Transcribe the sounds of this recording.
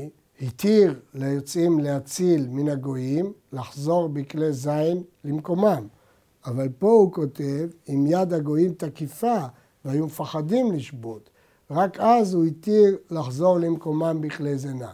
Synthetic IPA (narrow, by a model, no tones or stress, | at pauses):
hit̪iʁlejot͡simlehat͡silminaɡo̞imlaχzo̞ʁbiklezainlimko̞mam | avalpo̞huko̞te̞vimjad̪haɡo̞imt̪akifa | veajumefaχadimliʃbo̞t̪ | ʁakazhuhit̪iʁlaχzo̞ʁlemko̞mambiklezena